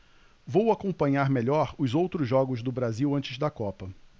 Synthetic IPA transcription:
vowakõpɐ̃ɲaɾmeʎɔɾʊzowt̪ɾʊzʒɔɡʊzd̪ʊbɾaziwɐ̃t͡ʃɪzd̪ɐkɔpɐ

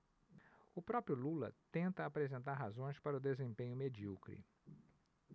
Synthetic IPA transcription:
ʊpɾɔpɾjʊlulɐ̰t̪ẽnt̪ɐːpɾezẽnt̪aɾɦazõj̃spaɾɐʊd̪ezẽpẽɲʊmed͡ʒiuwkɾḭ

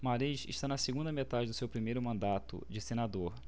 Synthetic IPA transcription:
maɾiʃɪ̰ʃt̪anɐsiɡũnd̪ɐmet̪ad͡ʒɪd̪ʊsewpɾimejɾʊmɐ̃nd̪at̪ʊ̰d͡ʒɪsenad̪oɾ

